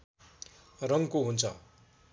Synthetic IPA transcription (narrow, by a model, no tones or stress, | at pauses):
rʌŋkoɦunt͡sʰʌ